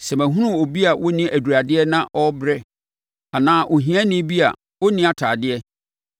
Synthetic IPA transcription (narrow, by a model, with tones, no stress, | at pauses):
sɛ˨mæ̃˨ɦũ˦ɾũ˦o˨bi˦a˨wɔ˦nĩ˦ʔæ˨du˨ɾa˨dɪ˦ɛ˦nã˦ʔɔ˦bɾɛ˦ | a˨nãː˦ʔɔ˨ɦĩ˦æ̃˦nĩ˦bi˦a̰˨ | wɔ˦nĩ˦a˨tʰaː˨dɪ˦ɛ˦